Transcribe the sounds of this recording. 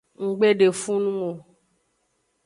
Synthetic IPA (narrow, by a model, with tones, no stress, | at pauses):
ŋ̩˨ɡ͡be˦ɖe˨fũ˦nũ˦o˨